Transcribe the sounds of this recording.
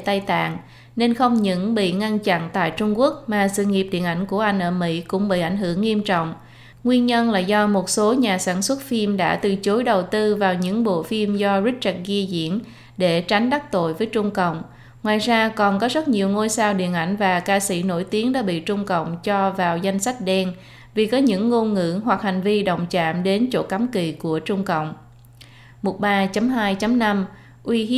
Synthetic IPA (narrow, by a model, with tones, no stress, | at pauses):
t̪a˧jt̪a̰ː˧˨ŋ | ne˧nxə˧wŋ͡mɲɨ̰˧˥ŋɓḭ˧˨ŋa˧nt͡ɕa̰˧˨nt̪a̰ː˧˨jt͡ɕʊ˧ŋ͡mku˦˥ək̚maː˨˩sɨ̰˧˨ŋi˨˩p̚ɗḭ˧˨ənʔa˧˩jŋ̟ku˧˩əʔa˧jŋ̟ʔəː˧˩mḭ˧˥kʊ̰˧˥ŋ͡mɓḭ˧˨ʔa˧˩jŋ̟hɦɨ˧˩əŋːi˧əmt͡ɕɔ̰˧˨wŋ͡m | ŋwi˧ənɲə˧nlaː˨˩zɔ˧mo˨˩t̚so˨˦ɲaː˨˩saː˧˩nswə˦˥t̚fi˧mɗa̰ː˧˥t̪ɨ˨˩t͡ɕo˨˦jɗə˨˩wt̪ɨ˧vaː˨˩wɲɨ̰˧˥ŋɓo̰˧˨fi˧mzɔ˧zi˦˥k̚t͡ɕə˦˥t̚ɣi˧əzḭ˧˥ən | ɗe˧˩t͡ɕa˨˦jŋ̟ɗa˦˥k̚t̪o̰˧˨jvəː˨˦jt͡ɕʊ˧ŋ͡mkə̰˧˨wŋ͡m | ŋwaː˨˩jzaː˧kɔ˨˩nkɔ˨˦zə˦˥t̚ɲi˨˩əwŋo˧jsaː˧wɗḭ˧˩ənʔa˧˩jŋ̟vaː˨˩kaː˧sḭ˧˩no̰˧˩jt̪i˨˦əŋɗa̰ː˧˥ɓḭ˧˨t͡ɕʊ˧ŋ͡mkə̰˧˨wŋ͡mt͡ɕɔ˧vaː˨˩wza˧jŋ̟sa˦˥jk̟̚ɗɛ˧n | vi˨˩kɔ˨˦ɲɨ̰˧˥ŋːo˧nŋɨ̰˧˥ɦwa˨˩k̚ha˨˩jŋ̟vi˧ɗə̰˧˨wŋ͡mt͡ɕa̰ː˧˨mɗe˨˦nt͡ɕo̰˧˥ka˨˦mki˨˩ku˧˩ət͡ɕʊ˧ŋ͡mkə̰˧˨wŋ͡m | mo˨˩t̚ɓaː˧t͡ɕa˨˦mɦaː˧jt͡ɕa˨˦mna˧m | ʔwi˧